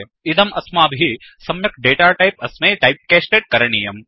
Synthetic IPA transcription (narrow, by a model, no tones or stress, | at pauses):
id̪ɐmɐsmaːbʱi | sɐmjɐk̚ɖeːʈaːʈɐjpɐsmeːʈɐjp̚kɛːsʈeːɖ̚kɐɾɐɳijɐm